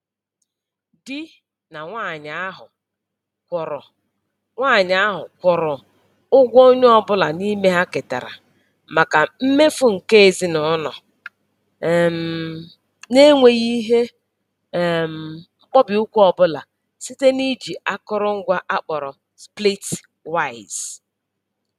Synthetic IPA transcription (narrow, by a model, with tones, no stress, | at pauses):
dɪ˦ | na˨ŋʷa˦˨ɲa˨˦ɦʊ˨ | kʷɔ˨ɾɔ˨ | ŋʷaː˦˨ɲa˨a˦ɦʊ˨kʷɔ˨ɾɔ˨ | ʊ˦ɡʷo˦ɲ˦ɔ˨bʊ˦la˨ni˦me˦ɦa˦kɪ˨ta̰˨ɾa̰˨ | ma˨ka˨m̩˦me˦fʊ˨ŋ̩˨ke˦e˨zi˦nɔ˨˦nɔ˨ | m̩˨ | ne˦ŋʷe˨ɣi˦ɦe˦˨ | m̩˨ŋ͡m̩˦k͡pɔ˦bɪ˨ʊ˦kʷu˦ɔ˨bʊ˦la̰˨ | si˦te˦ni˦d͡ʒi˨a˦kɔ˦ɾɔ˦ŋ̩˦ɡʷa˦ʔa˦k͡pɔ˨ɾɔ˨ | spli˦t | wa˦˨ɪ˨z̥